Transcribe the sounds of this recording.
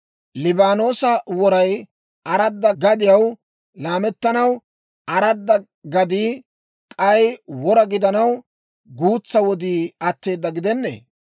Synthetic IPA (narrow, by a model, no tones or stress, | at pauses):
lɪbaːnoːsɐwɔɾɐj | ʔɐɾɐd̪ːɐɡɐd̪ɪjɐw | laːmɛt̪ːɐnɐw | ʔɐɾɐd̪ːɐ | ɡɐd̪iː | kʼɐjwɔɾɐɡɪd̪ɐnɐw | ɡuːt͡sːɐwɔd̪iːɐt̪ːe̞ːd̪ːɐɡɪd̪ɛnːḛː